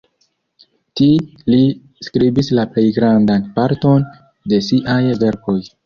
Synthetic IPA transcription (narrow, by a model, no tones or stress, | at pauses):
tili | skɾibislaple̞jɡɾandanpaɾto̞n | de̞siʔajve̞ɾko̞j